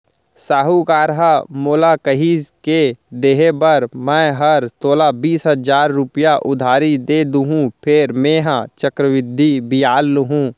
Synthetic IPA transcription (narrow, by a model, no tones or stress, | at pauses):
saːɦukaːɾɦamoːlakəɦiːzked̪eːɦebɐɾmɛ̃ːɦɐɾt̪oːlabiːsɦəd͡ʒaːɾːʊpjaʔʊd̪ʱaːɾid̪eːd̪ũɦũpʰɪɾmeːɦãt͡ʃəkɾəʋɪd̪ʱːibɪjaːlːɦũː